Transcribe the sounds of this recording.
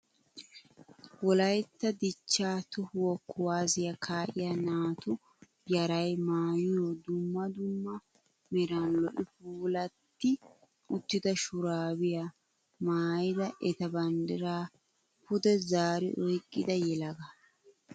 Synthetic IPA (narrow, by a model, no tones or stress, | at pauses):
wɔlɐjt̪ːɐd̪ɪt͡ʃːaːt̪ʊhʊwɔkːʊwaːzɪjɐkʰaːʔɪjanaːt̪ʊ | jɐɾɐjmaːjɪjoːd̪ʊmːɐd̪ʊmːɐ | mɛɾanlɔʔɪfuːlɐt̪ːɪ | ʊt̪ːɪd̪ɐʃʊɾaːbɪja | maːjɪd̪ɐʔɛt̪ɐbɐnd̪ɪɾaː | pʊd̪ɛzaːɾɪ̰ʔɔjkʼːɪd̪ɐjɛlɐɡɐ